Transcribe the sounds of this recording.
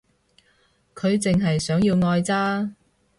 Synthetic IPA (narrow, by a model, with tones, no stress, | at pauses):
kʰɵ˨˧ɥt͡sɪ˨ŋɦɐ˨jsœː˨˥ŋjiː˧wŋɔː˧jt͡saː˥